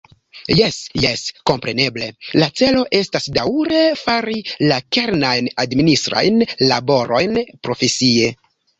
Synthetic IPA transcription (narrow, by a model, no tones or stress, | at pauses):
jesjesko̞mpɾe̞ne̞ble̞lat͡se̞lo̞ʔe̞stasdawɾe̞faɾilake̞ɾnajnadministɾa̰jnla̰bo̞ɾʔo̞̰jnpɾo̞fe̞sie̞